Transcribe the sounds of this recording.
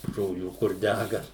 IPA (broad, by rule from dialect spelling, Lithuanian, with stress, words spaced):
ʒoːˈlʲuː kʊr ˈdʲæɡɐ